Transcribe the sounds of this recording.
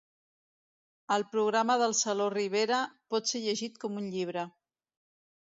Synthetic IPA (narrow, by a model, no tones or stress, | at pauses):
əlˠpɾuɣ̞ɾaməðəlˠsəloriβ̞eɾəpɔt̪seʎəʒit̪kɔmunʎiβ̞ɾə